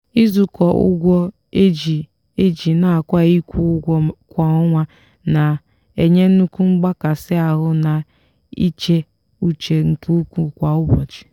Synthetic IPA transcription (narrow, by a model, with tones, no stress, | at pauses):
i˦zu˨kɔ˨ʊ̰˦ɡʷɔ˦ | e˦d͡ʒi˨ | e˦d͡ʒi˨na˨a˨kʷa˦i˦kʷu˦ɡʷɔ˦kʷa˨ʊ˦ŋʷa˦ | na˨ | e˨ɲe˦n̩˦u˦ku˦ŋ͡m̩˦ɡ͡ba˦ka˨sɪ˦a˨ɦʊ˦na˨ | ḭ˦t͡ʃe˦ | u˦t͡ʃe˨ŋ̩˨ku˦u˦kʷu˦kʷa˨ʊ˦bɔ˨t͡ʃi̥˨